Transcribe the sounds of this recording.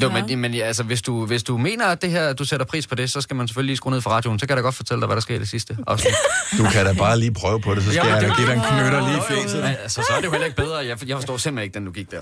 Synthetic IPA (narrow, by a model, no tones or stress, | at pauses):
jomenmenælsəʋe̝sd̥uʋe̝sd̥ume̝̰ːnɐæd̥e̝ɦæɐ̰æd̥useɾ̥ɐpʰʁḭːspʰɒ̽d̥e̝sɒ̽sɡ̥æmæns̬e̥føliliːsɡ̥o̰ːneð̰ˠfʁɒ̈ʁɑ̈ːd̥jo̝ːn̩sɒ̽kʰæɾɑjɡɒ̽d̥fɒ̽t͡sʰeld̥ɑ̈ɪʋædɾɑ̈sɡ̥e̝̰d̥e̝sisd̥əɒ̽sd̥ukʰæɾ̥æb̥ɑ̈ːliːpʰʁœːʊəpʰɒ̽ɾe̝s̬ɒ̥æɡ̥idenkʰnøɾɐliːifesælsəsɒæɐd̥eʊhel̰eɡ̥̚beð̞ˠʁɐjɑjɑɪfɒsd̥ɒ̰ːsem̰le̝ɡ̥d̥end̥uɡ̥iɡ̥̚d̥æɐ